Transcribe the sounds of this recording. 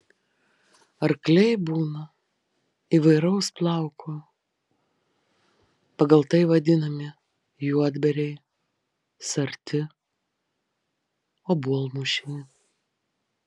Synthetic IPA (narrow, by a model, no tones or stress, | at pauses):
ɐɾklʲɛɪbuːnɐ | iʋɐɪɾɐʊsplˠɑˑʊkʰoː | pɐɡɐlˠt̪ɐɪʋɐd̪ʲɪnɐmʲɪ | juɔd̪ʲbʲɛɾʲɛɪ | sɐɾʲt̪ʲɪ | oːbuɔlˠmuʃʲɪnʲɪ